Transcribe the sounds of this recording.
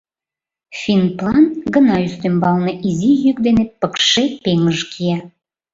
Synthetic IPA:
fʲinplɑnɡənɑyst̪ømbɑlneʔizijyk̚d̪enepəkʃepeŋəʒkʰiɑ

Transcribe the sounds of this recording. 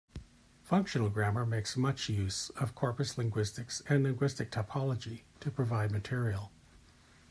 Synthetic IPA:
fʌ̃ŋkʃɨ̃nl̩ˠɡɹæmə˞meɪksmʌt͡ʃjʉz̥ʌv̥kʰɔɹpɨslɪ̃ŋɡwɪstɨksɨ̃nlɪ̃ŋɡwɪstɨk̚tʰəpʰɑlˠəd͡ʒiɾʰɨpʰɹ̥ɨvaɪd̚mɨtʰɪɹil̩ˠ

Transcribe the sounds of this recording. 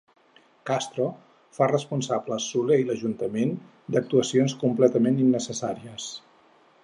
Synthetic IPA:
kast̪ɾo | farəspunsabləsuleiləʒunt̪əmen | d̪ək̚t̪uəsionskumplɛt̪əmeninːəsəsaɾiəs

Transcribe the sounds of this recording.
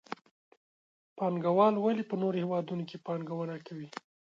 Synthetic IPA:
pɑŋɡawɑlwalipənoɾohewɑd̪unokepɑŋɡawənakʰawi

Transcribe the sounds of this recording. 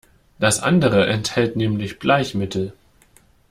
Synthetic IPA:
d̥asʔa̰ndəʁəʔɛnthɛltnɛːmlɪçb̥laɪçmɪtʰl̩

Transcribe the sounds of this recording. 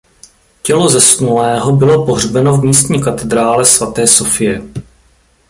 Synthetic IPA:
cɛlo̞zɛsnulɛːɦobɪlo̞poɦr̝bɛno̞vmiːst̪ɲiːkat̪ɛd̪ɾaːlɛsvat̪ɛːsofɪjɛ

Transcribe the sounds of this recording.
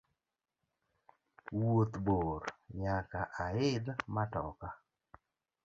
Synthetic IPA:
wot̪boɾɲakaʔaɪd̪matɔ̰ka

